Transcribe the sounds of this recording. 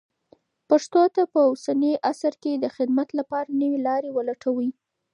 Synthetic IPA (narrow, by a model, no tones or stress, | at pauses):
paʂt̪ot̪apəosanəʔasaɾked̪əxɪd̪mat̪lapɑɾanəwelɑɾewəlaʈʰawi